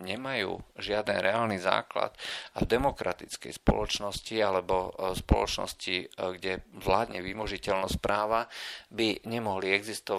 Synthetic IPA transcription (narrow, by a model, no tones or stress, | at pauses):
ɲɛmajṵːʒɪad̪nɛɾɛaːlniza̰ːkla̰t̪avd̪ɛmɔkɾat̪it͡skɛ̰jspɔ̰lɔt͡ʃnɔscialɛbɔspɔlɔ̰t͡ʃnɔ̰sciɡɟɛʋlaːd̪ɲɛʋimɔʒicɛlnɔspɾaːʋabiɲɛmɔɦliɛɡzist̪ɔ